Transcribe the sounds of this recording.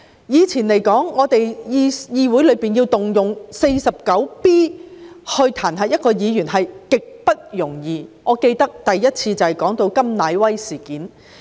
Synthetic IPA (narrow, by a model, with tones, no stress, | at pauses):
jiː˨˧t͡sʰiː˨˩nle˨˩jkɔː˨˥ŋːɔː˨˧t̪e˨jji˧jiː˧wu˨˥jlɵ˨˧ɥpiː˨njiː˧wt̪ʊ˨ŋjʊ˨ŋse˧jsɐ˨p̚kɐ˨˥wpiː˥hɵ˧ɥt̪ʰaː˨˩nɦɐː˨˩jɐ˥t̚kɔː˧jiː˨˧jyː˨˩nɦɐ˨jkɪ˨k̚pɐ˥t̚jʊ˨˩ŋjiː˨ŋɔː˨˧ke˧jt̪ɐ˥k̚t̪ɐ˨jjɐ˥t̚t͡sʰiː˧t͡sɐ˨whjkɔː˨˥ŋt̪o˧wkɐ˥mnaː˨˧jwɐ˥jsiː˨˩kiː˨˥n